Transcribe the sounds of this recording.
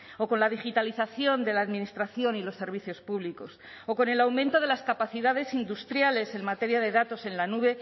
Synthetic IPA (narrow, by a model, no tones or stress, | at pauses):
o̞ko̞nlaðixit̪aliθaθjo̞nd̪e̞laːðminist̪ɾaθjo̞nilo̞sːe̞ɾβ̞iθjo̞spuβliko̞s | oko̞ne̞lawmẽnt̪o̞ð̞e̞laskapaθiðaðe̞sind̪ust̪ɾjale̞se̞nmat̪e̞ɾjaðe̞ðat̪o̞se̞nlanuβe̞